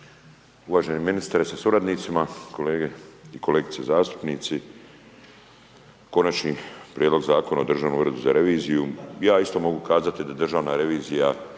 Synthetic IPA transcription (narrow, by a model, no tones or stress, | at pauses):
uʋaːʒeniminist̪aɾesasuɾad̪nit̪simako̞le̞ːɡe̞iko̞le̞ːɡit̪sezaːst̪u̥pniːt̪si | ko̞nat͡ʃnipɾʲʔjed̪lo̞ɡzaːko̞naod̪r̩ʒaːʋnomuɾed̪uzaɾe̞ʋiːzijujaːist̪o̞mo̞ɡukaːzat̪id̪ad̪r̩ʒaːʋnaɾe̞ʋiːzija